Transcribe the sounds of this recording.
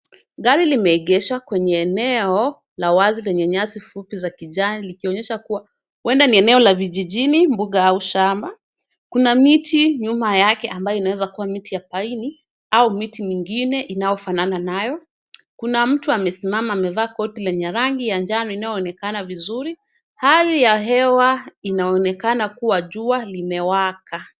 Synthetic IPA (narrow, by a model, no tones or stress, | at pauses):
ɠaɾilimɛɛɠɛʃakwɛɲɛːnɛɔ | lawazilɛɲɛɲasifupizakiʄanilikiɔɲɛʃakuwa | wɛndaniɛnɛɔlaviʄiʄinimbuɠaauʃamba | kunamitʰiɲumajakɛʔambajɔinawɛzakuwamitijapaini | aumitimiŋɡinɛʔinajɔfanananajɔ | kunam̩tuamɛsimamaːmɛvaːkɔtilɛɲɛɾaŋɡijand͡ʒanɔinajɔɔnɛkanavizuɾi | halijaɦɛwainaɔnɛkanakuwaʄualimɛwaka